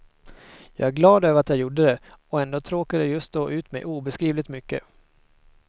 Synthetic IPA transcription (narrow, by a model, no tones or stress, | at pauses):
jɑ̰ːɡæɾɡlɑːd̪øːvəɾat̪jɑːɡjuɖəd̪ɛ | ɔɛnd̪oːt̪ʰɾoːkad̪əjɵst̪̚d̪ɔʔʉ̟ːt̪mɛ̰jʔuːbɛskɾiːvlɪt̪mʏkːə̰